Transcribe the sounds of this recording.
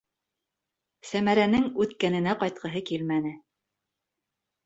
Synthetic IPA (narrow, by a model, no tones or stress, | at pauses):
sæmæɾænɘŋʉt̪kænɘ̆næqɑjt̪̚qɤ̆ɦɤkilmænɘ